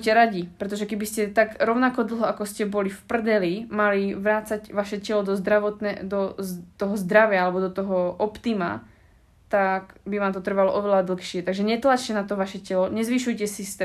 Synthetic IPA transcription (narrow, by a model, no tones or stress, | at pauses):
ucɛɾaɟipɾɛt̪ɔʒɛkɛbiscɛt̪aɡɾɔʊnakɔd̪l̩ˠɦɔakɔscɛbɔlifpr̩d̪ɛlimaliʋɾaːt͡sacʋaʃɛcɛlɔd̪ɔzd̪ɾaʋɔt̪nɛ̰d̪ɔt̪ɔɦɔzd̪ɾaʋɪaalɛbɔd̪ɔt̪ɔɦɔʔɔpt̪ima̰ | t̪akbiʋaːmt̪ɔt̪r̩ʋalɔʔɔʋɛlad̪l̩ˠxʃɪɛt̪aɡʒɛɲɛt̪lat͡ʃcɛnat̪ɔʋaʃɛcɛlɔɲɛzʋiʃujcɛsist̪